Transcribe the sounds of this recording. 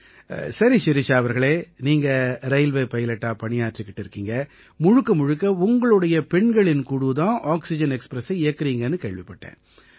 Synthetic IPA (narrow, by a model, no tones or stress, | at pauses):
sɐɾisɪɾɪt͡ʃːaːɐʋɐɾɣɐɭeːniːŋɡɐɾɐɪlʋeːpɐjɪlɐʈːaːpɐɳɪjaːɾʈrikːɪʈːɪɾɯkːiːŋɡɐ | mʊɻʊkːɐmʊɻɯkːɐʊŋɡɐɭɯɽɐjɐpɛɳɡɐɭɪnkuɽut̪ãːʔaːksɪd͡ʒɐnɛkspɾɐsɐɪɪjɐkːɪɾiːŋɡɐnːɯkeːɻʋɪpːɐʈːḛ̃ː